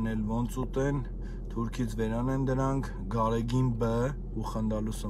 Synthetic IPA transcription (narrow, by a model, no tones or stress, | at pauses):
nɛlvɔnt͡sʰut̪ɛn | t̪ʰuɾkʰit͡sʰvɛɾɑnɛnd̪əɾɑŋkʰ | ɡɑɾɛɡinbə | uχənd̪ɑlusə